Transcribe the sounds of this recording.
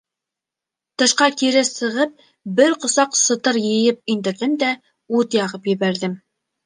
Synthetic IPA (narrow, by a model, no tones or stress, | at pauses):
t̪ɤ̆ʃqɑkiɾɘsɤ̆ʁɤp̚ | bɘɾqŏsɑqsɤ̆t̪ɤɾjɤ̆jɘp̚ind̪ɘ̆ɾðɘmd̪æ | ut̪jɑʁɤpjɘ̆βæɾðɘm